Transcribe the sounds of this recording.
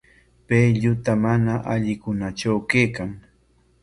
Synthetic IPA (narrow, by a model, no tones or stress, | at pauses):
pejʎʊt̪amanaʔaʎɪkʊnat͡ʃawkejkaŋ